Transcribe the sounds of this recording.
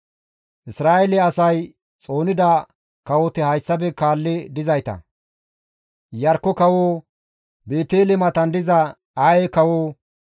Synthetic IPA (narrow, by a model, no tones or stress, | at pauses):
ʔɪsɾaːʔɛlɛɐsɐj | t͡sʼo̞ːnɪd̪ɐ | kɐwɔt̪ɪhɐjsːɐbɛkaːlːɪd̪ɪzɐjt̪ɐ̰ | jɐɾkːɔkɐwoː | beːt̪eːlɛmɐt̪ɐnd̪ɪzɐ | ajekɐwoː